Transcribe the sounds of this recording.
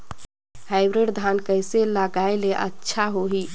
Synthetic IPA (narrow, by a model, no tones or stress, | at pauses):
hajbɾiɖd̪ʱankəjseləɡajleʔə̰tːʃʰaɦoɦi